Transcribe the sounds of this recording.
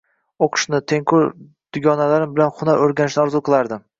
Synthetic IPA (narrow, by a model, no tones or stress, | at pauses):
oqʰɨ̥ʃnɪt̪ʰe̞ŋkʰʊɾ | d̪̥ʊɡʲɒnalaɾɪmbɪlanχʊnaɾoɾɡʲanɪʃnɪɒɾzuqʰɨlˠaɾd̪ɪm